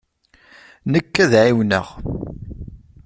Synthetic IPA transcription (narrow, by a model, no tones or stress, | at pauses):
nəkːæðʕiwnə̰ʁ